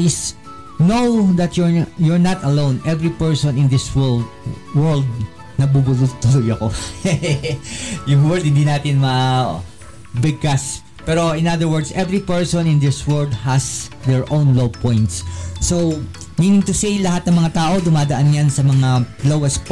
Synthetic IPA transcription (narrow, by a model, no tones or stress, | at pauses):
ʔɪs | nowðɐt̪jʊɹjʊɹnɐt̪ɐlõwnʔɛvɹipɛɹsɔ̃nɪ̃nd̪ɪswɛld̪wɛld̪̚ | nɐbubʊlʊjt̪ʊlʊjɐko | jʊŋwɛɹld̪̚hɪnd̪inaːt̪ɪnmɐ | bɪɡ̚kas | pɛɾo̞ɪ̃nad̪əɹwɛd̪sɛvɹipɛɹsɔ̃nɪ̃nd̪ɪswɛld̪hɐsd̪ɛɹʔõwnlowpɔ̃jnt̪sːow | miːnɪ̃ŋt̪ʊsejlɐɦat̪nɐŋmɐŋat̪aːʔo̞d̪ʊmaːd̪ɐʔanjansɐmɐŋalowɛst̪̚p